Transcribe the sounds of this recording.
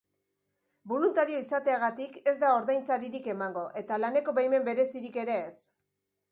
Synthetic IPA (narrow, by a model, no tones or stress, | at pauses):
bo̞lunt̪aɾio̞isat̪e̞aɣ̞at̪ike̞zd̪ao̞ɾðajnt͡saɾiɾike̞maŋɡo̞ʔe̞t̪alane̞ko̞βajme̞mbe̞ɾe̞siɾike̞ɾe̞ːs